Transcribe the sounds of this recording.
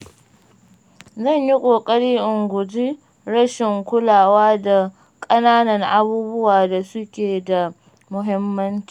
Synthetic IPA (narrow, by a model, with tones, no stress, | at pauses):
zɐ˦˨ɲji˦kʷʼoː˨kʼɐ˦ɽiː˦ʔʊ˨ŋɡʷʊ˨d͡ʒi˦ | ɾɐ˦ʃɪ˨ŋkʷʊ˦laː˨waː˦da˨ | kʼɐ˦naː˦nɐ˨ŋʔa˦buː˦bʊ˦waː˨da˨sʊ˦kʲeː˨da˨ | mʊ˨ɦɪ˦mːɐ˦nt͡ʃi̥ː˨